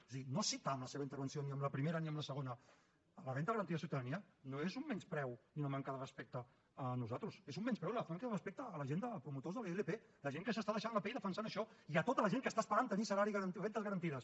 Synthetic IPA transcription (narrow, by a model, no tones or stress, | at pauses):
siinosit̪aːmləseβɐint̪əɾβənsioniəmləpɾimeɾəniəmləsəɣ̞onə | ələβɛnt̪ðɣəɾənt̪iɐəsiuwt̪aðəniə | noezumːɛnspɾɛwniunəmaŋkəðərəspek̚t̪əː | nuzat̪ɾusezumːɛnspɾɛwləfaŋkəðərəspek̚t̪əːləʒend̪əpɾumut̪ozðəlelepeləʒeŋkəsəst̪aðəʃanləpɛiðəfənsanəʃɔiət̪ot̪ələʒeŋkəst̪aspəɾant̪ənisəlaɾiɣəɾnɛnt̪əzɣəɾənt̪iðəs